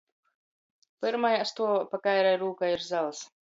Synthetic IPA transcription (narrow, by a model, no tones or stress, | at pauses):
pɨɾmajast̪uɔpakajɾɛjɾuːkaiɾzalˠs